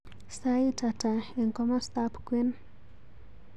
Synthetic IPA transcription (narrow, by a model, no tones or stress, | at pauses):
saitataiŋkɔmɔst̪apkwin